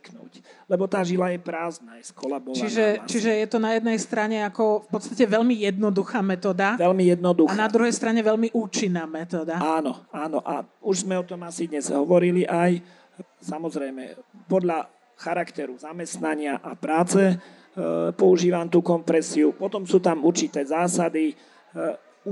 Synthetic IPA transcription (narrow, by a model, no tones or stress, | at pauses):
knṵːclɛbɔt̪aːʒilajɛpɾaːznajskɔlabɔt͡ʃiʒɛt͡ʃiʒɛjɛt̪ɔnajɛd̪nɛjst̪ɾaɲɛakɔfpɔt̪st̪acɛʋɛʎmijɛd̪nɔd̪uxaːmɛt̪ɔːd̪aʋɛlmijɛd̪nɔd̪uaxnadd̪ɾuɦɛjst̪ɾaɲɛʋɛʎmiʔuːt͡ʃinːaːmɛt̪ɔːd̪aaːnɔaːnɔʔa̰uʒzmɛɔt̪ɔmasid̪ɲɛz̥ɦɔʋɔɾiliʔaj | samɔzɾɛjmɛ̰pɔd̪ʎa | xaɾakt̪ɛɾuzamɛst̪naɲɪaʔapɾaːt͡sɛ | pɔuʒiːʋamt̪uːkɔmpɾɛsiupɔt̪ɔmsuːt̪amuɾt͡ʃit̪ɛːzaːsad̪i